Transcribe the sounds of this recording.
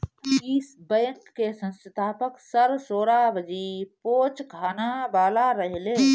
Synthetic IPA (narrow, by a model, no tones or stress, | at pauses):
iːsbə̃ːŋkːesə̃nst̪ʰaːpəksəɾsoːɾabəd͡ʒipoːt͡ʃɡʰʱaːnabaːlaɾəɦle